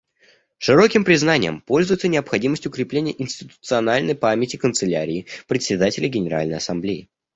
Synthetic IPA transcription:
ʂɨɾo̞kʲɪmpɾʲɪznanʲɪ̰jə̰mpo̞lʲzʊjʊt̪sənʲɪɐpxɐdʲiməsʲtʲʊkɾʲɪplʲenʲɪjəʔɪnsʲtʲɪt̪ʊ̥t̪sɨɐnalʲnəjpamʲɪtʲɪkənt̪sɨlʲaɾʲɪːpɾʲɪt̪ʲsʲɪd̪atʲɪlʲəɡʲɪnʲɪɾa̰lʲnəjɐsɐmblʲejɪ

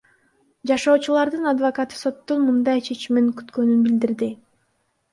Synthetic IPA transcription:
d͡ʒɑʃo̞ːt͡ʃulˠɑɾd̪ɯnad̪vɐkat̪ɯ̥so̞t̪ːunmɯnd̪ɑjt͡ʃʰe̞t͡ʃimiŋky̥t̪kø̞nynbild̪iɾd̪i

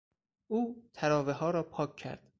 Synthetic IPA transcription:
ʔuːt̪ʰæɾɒːveɦɒːɾɒːpʰɒːkʰːæ̰ɾd̪̥

